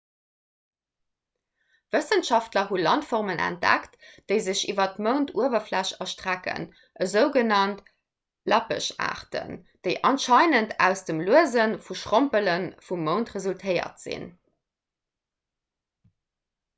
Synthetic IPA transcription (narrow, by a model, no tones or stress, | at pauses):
vəsənʃɑftlɐɦulɑntfɔʁmənʔæ̰nt̚d̥æ̰ktd̥əɪzəɕivɐtməʊntʰuəvɐflæɕɑʃtʁ̥ækə̰n | ʔəzəʊɡənɑnt | lɑpə̰ʃa̰ːʁtə̰nd̥əɪʔɑnʃɑɪnəntʰæ̰ʊsd̥əmluəzənfuʃʁompələnfummːəʊntʁəzultʰəɪɐ̰tz̥ḭn